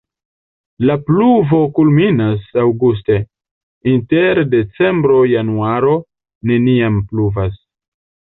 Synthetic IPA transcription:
lapluvo̞kulminasawɡus̬te̞ | inte̞ɾde̞t͡se̞mbɾo̞januaɾo̞ | ne̞niampluvas

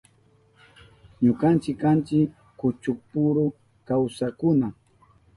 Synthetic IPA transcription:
ɲʊkant͡ʃɪkːant͡ʃɪkː | ʊt͡ʃʊk̚pʊɾʊ | kawsakʊna

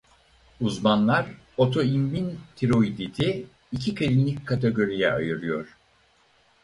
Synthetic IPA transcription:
uzmanlˠaɾ | o̞t̪ʰo̞imːint̪ʰiɾo̞id̪id̪ɛ | icʰikʰalʲinlʲic̚kʰːat̪ʰeɡo̞ɾijɛa̰jɯɾɯjo̞ɾ̥

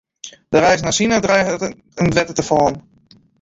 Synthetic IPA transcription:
dəɾɛjsnasinadrɛjət | əndʋɛtətəfɔːn

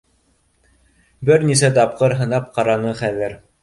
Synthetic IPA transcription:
bɘɾnis̬æt̪̬ɑp̚qɤɾɦɤ̆nɑp̚qɑɾɑnɤχæðɘɾ

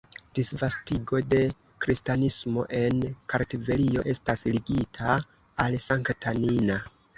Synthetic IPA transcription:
d̥isvastiɡo̞de̞ | kɾistanismo̞̰ʔe̞nkaɾtive̞lio̞ʔe̞stasliɡitʰaː | lsaŋktʰanina

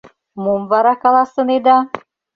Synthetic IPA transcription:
mumvɑɾɑkɑlˠɑsə̆ned̪ɑ

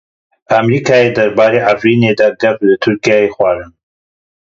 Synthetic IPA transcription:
amɾiːkʰaːjed̪ɐɾbaːɾeːʔafɾiːneːd̪aːd̪ɛflɨt̪ʰʊɾkijaːjexʷaːɾɨn

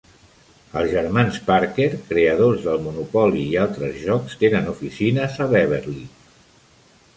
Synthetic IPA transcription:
əlˠzʒəɾmanspaɾkeɾkɾeəð̞ozðəlˠmunupɔliːalˠt̪ɾəzʒɔkst̪enənufisinəzəβɛβeɾli

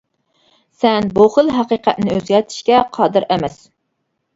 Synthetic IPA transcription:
sɛnboχəlˠɦæqiqʰæt̪̚nɪøzɡʲɛt̪ʰi̥ʃkʲɛqʰɑːd̪ɨɾʔɛmɛs

